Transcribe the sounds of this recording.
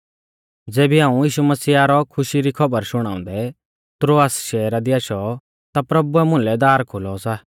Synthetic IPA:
d͡zeːbiãːũjiːʃumɐsiːaːɾɔkʰʊʃiɾikʰɐbəɾʃʊɽ̃ãːʊ̃nd̪ɛ | t̪ɾoːaːsʃɛːɾad̪iaʃɔ | t̪apɾɐbuɛmʊ̃nlɛd̪aːɾkʰʊlɔsa

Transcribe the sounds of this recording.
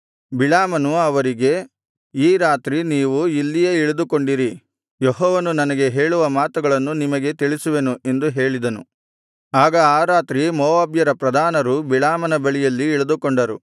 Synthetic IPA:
biɭaːmɐnuɐʋɐɾiɡe̞ | iːɾaːt̪ɾiniːʋuilːijeːiɭud̪uko̞ɳɖiɾi | jɔɦɔːʋɐnunɐnɐɡe̞ɦe̞ːɭuʋɐmaːt̪uɡɐɭɐnːunimɐɡe̞t̪iɭisuʋe̞nuʔe̞nd̪uɦe̞ːɭid̪ɐnṵ | aːɡɐaːɾaːt̪ɾimɔːʋaːbjɐɾɐpɾɐd̪ʱaːnɐɾubiɭaːmɐnɐbɐɭijɐlːiːɭud̪ukoɳɖɐɾṵ

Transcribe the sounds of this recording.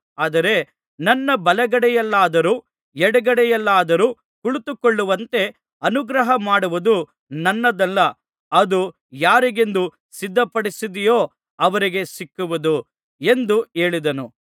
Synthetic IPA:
aːd̪ɐɾe̞ | nɐnːɐbɐlɛɡɐɽɛjɐlːaːd̪ɐɾuː | ɛɽɐɡɐɽɛjɐlːaːd̪ɐɾuː | kuɭut̪ukoɭːuʋɐnt̪e̞ | ɐnuɡɾɐɦɐmaːɽuʋud̪u | nɐnːɐd̪ɛlːɐ | ɐd̪u | jaːɾiɡe̞nd̪u | sid̪ʱːɐpɐɽisid̪ijoː | ɐʋɐɾiɡe̞sikːuʋɐd̪u | e̞nd̪ue̞ːɭid̪ɐnu

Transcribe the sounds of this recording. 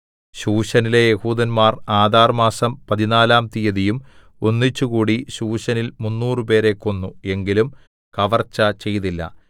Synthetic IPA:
ɕuːɕɐnile̞jehuːd̪ɐnmaːraːd̪ʱaːrmaːsɐmpɐðinaːlaːmt̪ijɐðijum | o̞nːit͡ɕːukuːɽiɕuːɕɐnilmunːuːrɨpe̞ːɾe̞kːo̞nːue̞ŋɡilum | kɐʋɐrt͡ɕːɐt͡ɕe̞jt̪ilːɐ̰

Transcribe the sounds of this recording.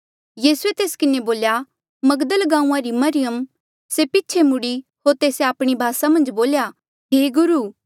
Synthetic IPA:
jiːsuet̪eːskɪneboːlja | mɐɡd̪əlɡãːũãɾimɐɾɪjəm | sepɪtːt͡ʃʰemʊɽiɦoːɾt̪eːseaːpɽ̃ibʱaːsamɐ̃nd͡ʒboːlja | ɦeːɡʊɾuː

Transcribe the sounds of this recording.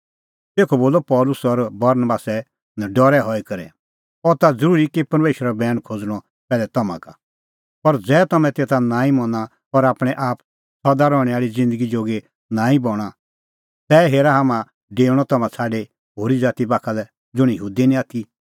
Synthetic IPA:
t̪eːkʰoboːlɔpɔːlʊsɔɾbɐɾnəbaːsɛ | naɖɔɾɛɦɔikɐɾɛ̰ | ɔt̪ad͡zɐɾuːɾikipɐɾmeːʃɾabɛːñkʰod͡zɽ̃ɔ | pɛːlɛt̪ɐmã̰ka | pɐɾd͡zɛːt̪ɐmɛ̃t̪eːt̪ʰanãːĩmɔ̃na | pɐɾaːpɽ̃ɛʔaːp̚ | sɐd̪aɾɔːɽ̃ɛaːɭid͡zɪ̃nd̪əɡid͡ʒoːɡe | nãːĩbɔːɽ̃a | t̪ɛːɦeːɾaɦaːmã | ɖeːɽ̃ɔt̪ɐmãt͡sʰaːɖe | ɦoːɾid͡zaːt̪ibaːkʰalɛ | d͡zʊɽ̃ijɦuːd̪inĩaːt̪ʰi

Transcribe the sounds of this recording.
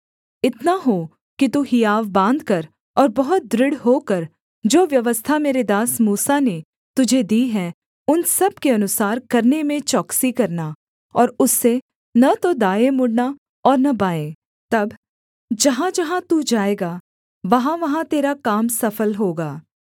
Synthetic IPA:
ɪt̪naɦo | kit̪uɦijaːʋbãːnd̪kɐɾ | ɔːɾbɐɦʊt̪̚d̪ɾɪɽɦokɐɾ | d͡ʒoːʋjɐʋəst̪ʰameːɾed̪aːsmuːsane | t̪ʊd͡ʒʱed̪iːɦɛ | ʊnsɐb̚keɐnʊsaːɾkɐɾnemẽt͡ʃɔːksikɐɾna | ɔːɾʊsːe | nɐt̪od̪aːemʊɽna | ɔːɾnɐbaːẽː | t̪ɐb | d͡ʒɐɦãd͡ʒɐɦãt̪ud͡ʒaːeːɡaː | ʋɐɦãʋɐɦãt̪eːɾakaːmsɐfəlɦoːɡaː

